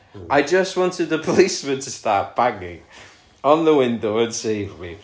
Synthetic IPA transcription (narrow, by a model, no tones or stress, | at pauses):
ʔaɪd͡ʒʌst̚wɒ̃ntɪd̪̚ðəpʰəliˑsmə̃ntʰəstɑˑʔb̥aɡɪ̰̃ŋ | ə̃nðəwɪ̃ndoʊə̃nsiɹi